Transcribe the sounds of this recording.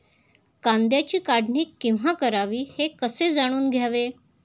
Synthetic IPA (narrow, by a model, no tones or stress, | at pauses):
kãnd̪jat͡ɕiːkaɽɳiːkːiw̃ɦakəɾaʋiːhekəsed͡zaɽ̃uːnɡʱjaʋe